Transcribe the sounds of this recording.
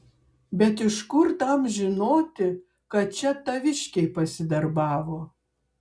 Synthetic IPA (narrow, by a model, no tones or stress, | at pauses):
bʲɛt̪ɪʃkʊɾt̪ɐmʒʲɪnoːt̪ʲɪ | kɐt̪̚t͡ʃʲɛt̪ɐʋʲɪʃʲkʲɛɪpɐsʲɪd̪ɐɾbɑːʋoː